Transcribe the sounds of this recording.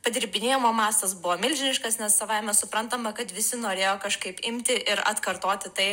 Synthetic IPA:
pɐd̪ʲɪɾʲbʲɪnʲeːjomoːmɑːst̪ɐs̬bʊʋoːmʲɪlʲʒʲɪnʲɪʃkɐsnʲɛssɐʋɐɪmʲɛsʊpɾɐnt̪ɐmɐkɐt̪ʋʲɪsʲɪnoːɾʲeːjoːkɐʃkɐɪpɪmʲt̪ʲɪʔɪɾɐ̰t̪kɐɾt̪oːt̪ʲɪt̪ɐɪ

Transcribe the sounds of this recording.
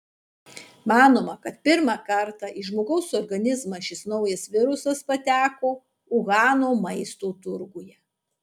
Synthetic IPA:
mɑːnoːmɐkɐt̪̚pʲɪɾmɑːkɐɾt̪ɑʔiːʒmoːɡɐʊsɔɾɡɐnʲɪzmɐʃʲɪsnɒʊjɐsʋʲɪɾʊsɐspɐt̪ʲæːkoː | ʊɣɑːnoːmɐɪst̪oːt̪ʊɾɡujɛ

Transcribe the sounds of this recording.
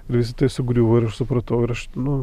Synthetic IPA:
ɪɾʋʲɪs̬ʲɪt̪ɐɪsʲʊɡɾʲuːʋoɪɾɐʃsʊpɾɐt̪ɐʊɪɾɐʃnʊ

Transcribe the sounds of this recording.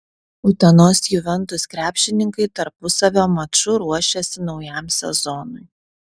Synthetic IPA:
ʊt̪ʲɛnoːsjʊʋʲɛnˑt̪ʊskɾʲæːpʲʃʲɪnʲɪŋkɐɪt̪ɐɾpʊsɐʋʲoːmɐt͡ʃʊɾuɔʃʲɛsʲɪnɒʊjɛmsʲɛ̰zɔnʊɪ

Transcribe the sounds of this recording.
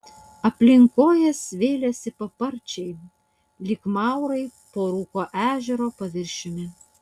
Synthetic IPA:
ɐpʲlʲɪŋkoːjɛsʋʲeːlʲɛsʲɪpɐpɐɾʲt͡ʃʲɛɪ | lʲɪkmɑˑʊɾɐɪpoːɾuːkoːʔæːʒʲɛɾoːpɐʋʲɪɾʲʃʲɪmʲɪ

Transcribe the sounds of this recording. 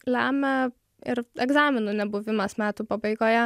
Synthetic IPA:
lʲæːmʲɛ | ɪɾɛɡzɑːmʲɪnʊnʲɛbʊʋʲɪmɐsmʲæːt̪uːpɐbɐɪɡoːjɛ

